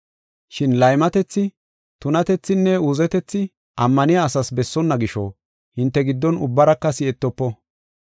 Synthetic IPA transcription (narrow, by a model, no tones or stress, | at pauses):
ʃɪnlɐjmɐt̪ɛt͡sːɪ | t̪ʊnɐt̪ɛt͡sːɪnːɛuːzɛt̪ɛt͡sːɪ | ʔɐmːɐnɪjaːsɐsbɛsːɔnːɐɡɪʃɔ̰ | hɪnt̪ːɛɡɪd̪ːɔnʊbːɐɾɐkːɐsɪɛt̪ːɔpːɔ